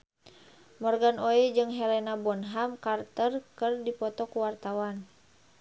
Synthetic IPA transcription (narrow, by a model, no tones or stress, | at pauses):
mɔrɡanoɛd͡ʒɨŋɦɛlɛnabɔnɦamkart̪ərkɨrdipɔt̪ɔkuwart̪awan